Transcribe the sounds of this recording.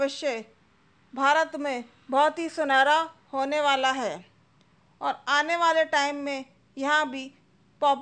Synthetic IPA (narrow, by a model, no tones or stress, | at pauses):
ʋəʃjə | bʱaːɾət̪mẽ | bɔːt̪ɦisʊnaːɾahoːneʋaːlaɦɛː | ɔːɾaːneʋaːleʈaːɪmːẽ | jɐɦãbʱi | pɔːp